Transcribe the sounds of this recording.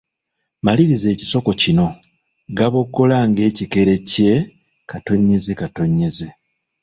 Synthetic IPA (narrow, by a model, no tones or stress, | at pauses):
maliɾize̞ːci̥so̞ko̞cino̞ | ɡaβo̞kːo̞laŋɡe̞ːcike̞ɾe̞ce̞ | kato̞ɲːe̞zekato̞ɲːe̞ze